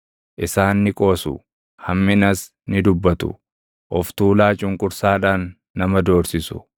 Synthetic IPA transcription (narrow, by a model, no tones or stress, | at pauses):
ʔɪsaːnːɪkʼo̞ːsʊ̰ | hɐmːɪnɐs | nɪd̪ʊbːɐt̪ʊ̰ | ʔɔft̪uːlaːt͡ʃʼʊŋkʼʊɾsaːᶑaːnː | ɐmɐd̪o̞ːɾsɪsʊ̥̰